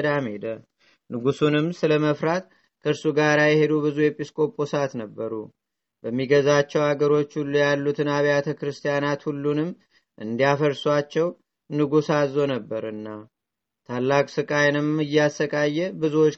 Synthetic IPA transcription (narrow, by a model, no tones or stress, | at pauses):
d̪amhed̪ə | nɨɡusunɨmsɨləməfɾat̪ | kʰəɨɾsuɡaɾajɛhe̞d̪ubɨzujɛpʼiskʼo̞pʼosat̪nəbːəɾṵ | bəmːiɡəzat͡ʃːɛwaɡəɾo̞t͡ʃːhulːujalːut̪ʰɨnaβjat̪ʰəkɾɨst̪ʰijanat̪hulːunɨmː | ʔɨnd̪ijafəɾswat͡ʃːɛw | nɨɡusazo̞nəbːəɾɨnːa | t̪ʰalːakʼsɨkʼajnɨmɨjːasːəkʼajːɛbɨzuwot͡ʃː